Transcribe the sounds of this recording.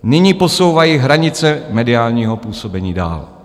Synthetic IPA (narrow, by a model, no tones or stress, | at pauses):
nɪɲiːpo̞so̞wvajiːɦɾaɲɪt͡sɛmɛdɪaːlɲiːɦo̞puːso̞bɛɲiːda̰ːl